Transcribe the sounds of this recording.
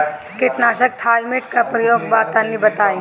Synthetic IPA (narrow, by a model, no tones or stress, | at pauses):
kɪʈnaːʃək̚t̪ʰaːlmeʈkapɾɐjoːɡ̚baːt̪anːibɐt̪aːẽːŋ